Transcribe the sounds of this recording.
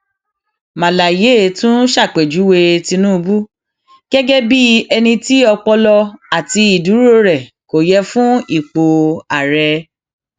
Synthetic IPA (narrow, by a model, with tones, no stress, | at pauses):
mã˨la˨je˨˦˨tũ˦ʃa˦˨k͡pe˨d͡ʒu˨˦we˧ti˧nũ˦˧bu˦ | ɡ̥ɛ˦ɡɛ˦bi˦ɛ˧nĩ˧ti˦ɔ˧k͡pɔ˧lɔ˧a˨ti˧i˨du˨˦ɾo˦˨ɾɛ˨ | ko˨jɛ˧fũ˦i˦˨k͡po˨˧a˨ɾɛ˧